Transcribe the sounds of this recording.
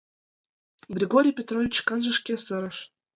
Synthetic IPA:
brʲeɡoɾʲijpʲet̪rovʲit͡ɕkɑnʐɤ̆ʂkʲesɤ̆ɾɤ̆ʃ

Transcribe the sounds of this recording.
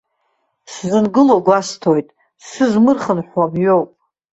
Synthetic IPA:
szɨnɡɨloɡʷastʰojtʼ | sɨzmɨrχənħwamɥowpʼ

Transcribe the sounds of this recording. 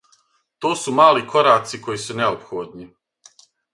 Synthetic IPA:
t̪oːsumaːlikʰo̞ɾaːt̪siko̞jisuneopxoːd̪ni

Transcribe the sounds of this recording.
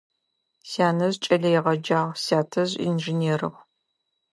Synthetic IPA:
saːnɐzt͡ʃʼɐɮɐjɪʁɐd͡ʒaːʁsaːtʰɐʑḭnʒineːɾɨ̰ʁʷ

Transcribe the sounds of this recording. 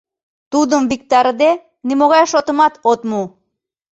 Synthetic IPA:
t̪ud̪ɯmbik̚t̪aɾɯd̪e | nimoɣɑjʃot̪umɑt̪ot̪mu

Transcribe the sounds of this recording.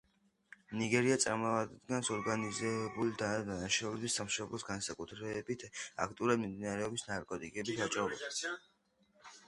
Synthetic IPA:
niɡɛɾiat̪sʼaɾmɔad̪d̪ɡansɔɾɡanizɛbulid̪ad̪anaʃaulɛbisamʃɔblˠɔsɡansakʼut̪ʰɾɛbit̪ʰa̰kʰt̪ʼiuɾad̪mimd̪inaɾɛɔbisnaɾkʼɔt̪ʼikʼɛbit̪ʰat͡ʃʼɔbɔ̰

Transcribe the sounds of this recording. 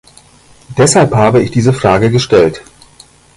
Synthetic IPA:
d̥ɛshalphaːbəɪçd̥iːzəfʁ̥aːɡəɡəʃtɛlt

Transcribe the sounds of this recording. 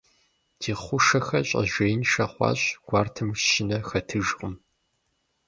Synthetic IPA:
d̥ʰiːχʷʊʃɐxɐɕʼɐ̰ʒʷeːjnʃɐχʷɑ̰ːɕɡ̥ʷɑːrtʰɨmʂɕɪnɐxɐtʰɨʒqʼʊm

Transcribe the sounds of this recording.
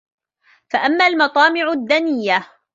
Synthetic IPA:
faʔamːaːlmɑt̪ˤɑːmɪʕʊd̪ːanɪjːa

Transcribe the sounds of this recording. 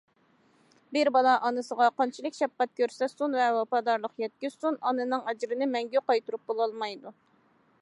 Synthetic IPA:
bɪɾbɑlˠɑʔɑnɨsəʁɑqɑnt͡ʃʰilˠɨkʲʃɛp̚qɛt̪̚kʲʰøɾsɛsunvɛwɑpɑd̪ɑɾlˠəqjɛt̪̚kʲyz̥sunɑnɨnɨŋɑd͡ʒɾɨnɪmɛŋɡʲyqɑjt̪uɾup̚bolˠɑlˠmɑjd̪u

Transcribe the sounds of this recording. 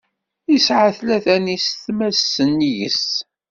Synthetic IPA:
isʕaθlæθænisθmæsːənjəs

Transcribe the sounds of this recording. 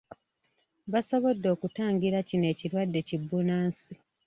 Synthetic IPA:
βaso̞βo̞dːo̞ːkutaːŋɡiɾacine̞ːciɾwadːe̞cibːunaːnsi

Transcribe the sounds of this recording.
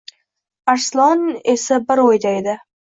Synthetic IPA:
aɾslˠɒnesabɪɾojd̪aed̪ɪ

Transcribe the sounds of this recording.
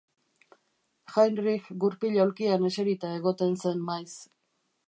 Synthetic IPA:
xajnrixɡuɾpiʎawlkiane̞seɾit̪ae̞ɣo̞t̪e̞nse̞nmajs

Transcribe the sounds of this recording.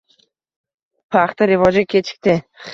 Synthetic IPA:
pʰaχt̪aɾɪvɒd͡ʒakʲʰet͡ʃʰɪ̥k̚ʲt̪ɪ

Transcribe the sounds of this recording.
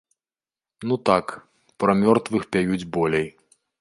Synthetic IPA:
nut̪ak | pɾɐmʲɔrt̪vɨxpʲajud͡zʲbɔlʲej

